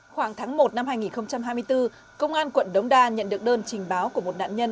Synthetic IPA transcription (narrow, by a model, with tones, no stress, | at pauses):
xwaː˧˩ŋt̪ʰaː˨˦ŋmo˨˩t̚na˧mhaː˧jŋi˨˩nxə˧wŋ͡mt͡ɕa˧mhɦaː˧jmɨ˧əjt̪ɨ˧ | kə˧wŋ͡mʔaː˧nkwə̰˧˨nɗə˨˦wŋ͡mɗaː˧˩ɲə̰˧˨nɗɨ˨˩ək̚ɗəː˧nt͡ɕï˨˩ŋ̟ɓaː˨˦wku˧˩əmo˨˩t̚ɗa̰ː˧˨nɲə˧n